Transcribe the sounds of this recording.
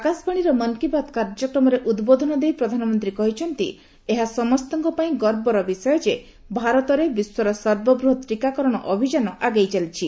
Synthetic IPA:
akasbaɽ̃iɾɔmɔnkibat̪kaɾd͡ʒɔkɾɔmɔɾeʔud̪bod̪ʱɔnɔd̪ejpɾɔd̪ʱanɔmɔnt̪ɾikɔɦit͡ʃʰɔnt̪ḭ | eɦasɔmɔst̪ɔŋkɔpaĩɡɔɾbɔɾɔbisɔjɔd͡ʒe | bʱaɾɔt̪ɔɾebiswɔɾɔsɔɾbɔbɾuɦɔt̪ɾikakɔɾɔɽ̃ɔʔɔbʱid͡ʒanɔʔaɡajt͡ʃalit͡ʃʰi

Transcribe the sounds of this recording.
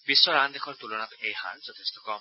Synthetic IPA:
bisːɔɹand̪exʰɔɹt̪ulɔnapejha̰nzɔt̪ʰest̪ʰɔkɔm

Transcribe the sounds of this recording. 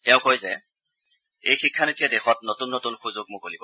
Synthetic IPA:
tɛʊ̃kojzɛ | ḛjxikʰːanetijadɛxɔtnotunːotunxuzoɡ̚mukolibɔ

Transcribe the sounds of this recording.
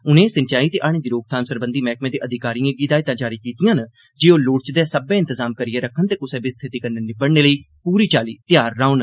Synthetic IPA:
ʊnẽːsənt͡ʃaːiːt̪eːʔaːɽ̃eːd̪iːɾoːɡ̚t̪ʰãːmsəɾbə̃nd̪iːmɛːk̚mẽːd̪eːʔəd̪ʱɪkaːɾijãːɡiːd̪aːit̪ãːd͡ʒaːɾiːkiːt̪ɪjãːn | d͡ʒeːoːloːʈt͡ʃd̪ɛːsəbẽːɪ̃nt̪əzaːmkəɾijẽːɾəkʰːənt̪eːkʊsɛ̃ːbist̪ʰɪt̪iːkəɾnenɪbəɽneːləiː | puːɾiːt͡ʃaːlḭːt̪ɪjaːɾːaːʊn

